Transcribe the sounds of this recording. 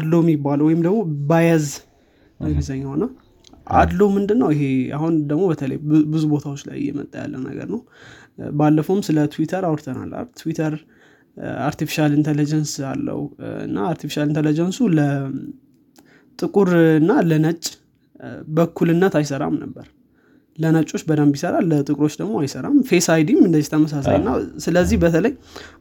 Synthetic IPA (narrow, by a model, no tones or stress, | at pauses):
ad̪lojɛmːjibːaləwɔjɪmd̪əɡmo̞bajaz | məɡizaɲːawna | ʔa̰d̪lomɨnd̪ɨnːəwɪɦea̰hund̪əɡmo̞bət̪ʰələ̰jbɨzubo̞t̪ʰawot͡ʃːla̰jːɛ̰mə̰t̪ʼːaja̰lːə̰nə̰ɡə̰ɾnəw | balːəfomsɨlət̪ʰuwit̪ʰəɾawɔɾt̪ʰəna̰lːa̰t̪ʰwit̪ʰəɾ | aɾt̪ifi̥ʃalint̪ʰelid͡ʒənsa̰lːə̰wuɨ̰nːa̰aɾt̪ʰifi̥ʃalint̪ʰelid͡ʒənsulə | t̪ʼɨkʼuɾɨnːalənət͡ʃʼː | bəkʰːulɨnːət̪ajsəɾa̰mnəbːəɾ | lənət͡ʃʼo̞t͡ʃːbəd̪əmbisəɾalːət̪ʼɨkʼɾo̞t͡ʃːd̪əɡmo̞ajsəɾa̰mfe̞sajd̪imɨnd̪əziht̪ʰəməs̬asa̰jɨnːasɨləzːihbət̪ʰələj